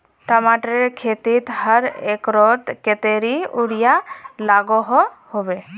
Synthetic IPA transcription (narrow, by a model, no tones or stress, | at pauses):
ʈɔmaʈɾeɾkʰet̪it̪həɾekɾɔʈ̪ket̪eɾiuɾijalaɡɔɦɔ | hobe